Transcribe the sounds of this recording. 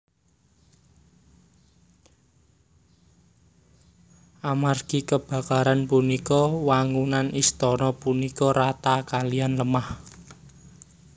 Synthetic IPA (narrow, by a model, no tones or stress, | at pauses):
ʔamarɡ̥i̤kəb̥ä̤kaɾanpunikɔwaŋunanist̪ɔnɔpunikɔɾat̪akalianləmah